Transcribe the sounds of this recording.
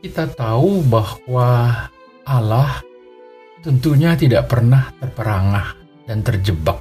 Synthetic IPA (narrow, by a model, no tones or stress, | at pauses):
kit̪at̪aubahwa | ʔalah | t̪ənt̪uɲat̪idaʔpərnaht̪ərpəɾaŋah | d̥ant̪ərd͡ʒəbak̚